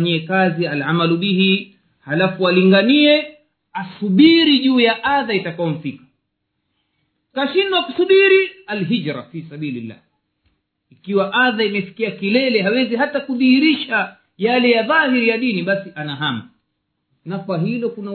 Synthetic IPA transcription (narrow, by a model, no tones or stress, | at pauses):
ɲiɛkazialʕamaluɓihi | halafualiŋɡaniɛ | asuɓiɾiʄuːjaʔaðaitakaɔm̩fikḁ | kaʃinwakusuɓiɾialɦid͡ʒɾa̰fisaɓiːlilːa̰h | ikiwaʔaðaimɛfi̥kiakilɛlɛɦawɛziɦatakuðihiɾiʃa | jalɛjaðahiɾijaɗiniɓasiʔanaɦama | nakwaɦilɔkuna